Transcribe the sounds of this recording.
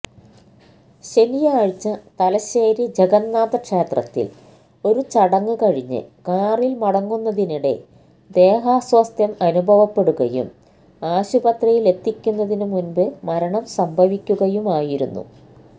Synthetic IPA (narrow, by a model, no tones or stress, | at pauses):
ɕe̞nijɐaːɻt͡ɕːɐt̪ɐlɐɕeːɾid͡ʑeɡɐnːaːd̪ɐkʂe̞ːt̪rɐt̪ːḭl | o̞ɾut͡ɕɐɽɐŋːɨkɐɻiɲːɨ̰kaːrilmɐɽɐŋːunːɐðiniɽe̞̰ | d̪e̞ːɦaːsʋɐst̪ʰjɐmɐnubʱɐʋɐpːe̞ɽuɣɐjṵm | aːɕubɐt̪rɐjile̞t̪ːikʲːunːɐðinumunbɨmɐɾɐɳɐmsɐmbʱɐʋikʲːuɣɐjumaːjiɾunːṵ